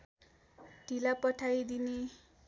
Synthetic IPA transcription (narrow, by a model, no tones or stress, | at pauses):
ɖ̥ʱilapʌʈʰajd̪ine